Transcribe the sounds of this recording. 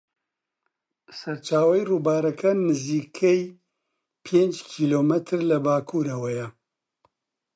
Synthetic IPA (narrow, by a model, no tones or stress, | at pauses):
sɐɾt͡ʃaːwɐjruːbaːɾɐkʰɐnɨziːkʰɛj | pʰeːnd͡ʒkʰiːloːmɛt̪ʰɨɾlɐbaːkʰuːɾɐwɐjɐ